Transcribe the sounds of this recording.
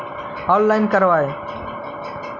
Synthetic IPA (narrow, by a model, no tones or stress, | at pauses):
ɔːlːaːɪnkəɾʋaːeː